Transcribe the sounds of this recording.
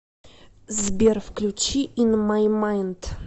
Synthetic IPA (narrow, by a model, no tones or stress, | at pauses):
zbʲerfklʲut͡ɕiʔinmajmajnd̪